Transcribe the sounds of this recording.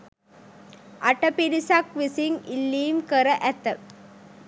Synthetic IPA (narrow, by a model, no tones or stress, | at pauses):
ʔɐʈɐpiɾisɐkʋisiŋilːiːmkəɾɐʔæt̪ːɐ